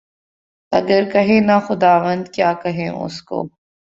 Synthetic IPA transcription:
ɐ̰ɡəɾkɐɦẽnaxʊd̪aːʋənd̪kjaːkɐɦẽʊ̰sko̰ː

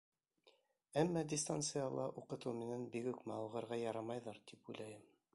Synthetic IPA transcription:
æmːɑd̪ʲɪst̪ant̪sɨjɑlˠɑʔuqɤ̆t̪ɤwminænbikʉkmæɑwʁɤ̆ɾʁɑjɑɾɑmɑjðɑɾt̪ipujlæjɘm

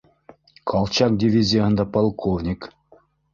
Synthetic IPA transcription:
kʰɑlˠt͡ɕɑk̚dʲivʲizʲijəɦə̆nd̪ɑpɑlˠkʰovnʲik

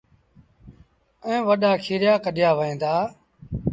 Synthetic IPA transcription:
ɛ̃ːʋəɗaːkʰiːɾjaːkəɗɪjaːʋəẽːnd̪aː

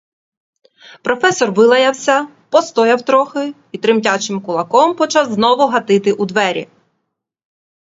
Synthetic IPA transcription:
pɾɔfɛsɔrʋɪlˠɐjɐwsʲɐ | pɔst̪ɔjɐwt̪ɾɔxɪ | it̪ɾɪmtʲat͡ʃɪmkʊlˠɐkɔmpɔt͡ʃɑzznɔʋʊɦɐt̪ɪt̪ɪʔud̪ʋɛɾʲḭ

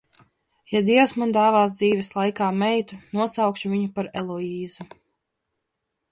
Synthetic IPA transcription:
jad̪iɛwsmand̪aːvaːs̬d̪ziːvɛslˠajkaːmɛjt̪unuɔsawkʃuvʲiɲupaɾɛlˠɔiːzu

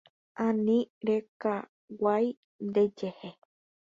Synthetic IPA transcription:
ãnĩɾeka | waj | nd̪e̞d͡ʒehe

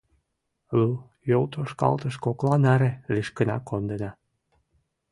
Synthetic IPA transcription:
lu | jolt̪ʰoʃkɑ̰lt̪ə̆ʃkoklɑnæɾĕliʃkə̆nɑ̰kond̪ĕnɑ

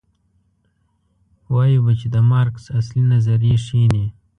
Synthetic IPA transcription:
wɑjibət͡ʃed̪əmɑɾksaslinazaɾijeʂine

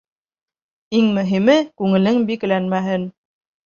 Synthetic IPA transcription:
iŋmɵ̆ɦimɘkʉŋɘ̆lɘŋbikɘ̆lænmæɦɘn

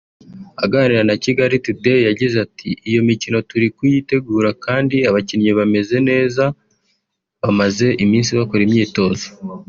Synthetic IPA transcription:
aɡaːniɾanaciɡaɾitudejaɟizatʰḭʔijo̞micino̞tuɾikujite̞ɡuːɾakaːndiaβacinɲeβame̞ze̞ne̞ːza | βamaze̞ʔimiːnsiβako̞ɾimɲiːto̞ːzo

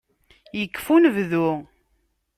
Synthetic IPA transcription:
jəkːfunvðu

